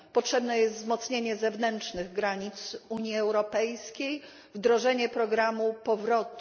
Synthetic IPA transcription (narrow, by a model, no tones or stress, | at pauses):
pɔtʂɛbnɛjɛst̪zmɔt̪sɲeɲɛzɛvnɛntʂnɘɣɡɾaɲit̪suɲjiɛwɾɔpɛjskʲej | vd̪ɾɔʐɛɲɛpɾɔɡɾamupɔvɾɔt̪